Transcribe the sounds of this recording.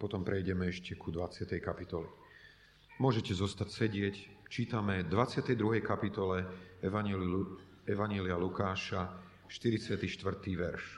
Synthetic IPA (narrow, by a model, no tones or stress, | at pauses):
pɔt̪ɔmpɾɛjɟɛmɛɛʃcɛkʰud̪ʋat͡sɪat̪ɛjkapit̪ɔli | mʊɔʒɛcɛzɔst̪acsɛɟɪɛct͡ʃiːt̪amɛd̪ʋat͡sɪat̪ɛjd̪ɾuɦɛjkapit̪ɔlɛ | ɛʋaɲɛlialukaːʃa | ʃt̪iɾit͡sɪat̪iʃt̪ʋr̩t̪iːʋɛɾʃ